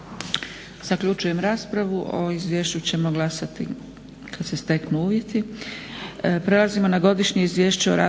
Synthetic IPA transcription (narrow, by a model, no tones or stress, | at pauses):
z̥akʎut͡ʃuje̞mɾaːspɾaʋuʔo̞̰izʋjeːʃt͡ɕut͡ɕe̞mo̞ɡlˠasat̪i | kʰad̪se̞st̪e̞knuuːʋje̞t̪i | pɾe̞lazimo̞naɡo̞d̪iʃɲeizʋje̞ːʃt͡ɕeoɾa̰ː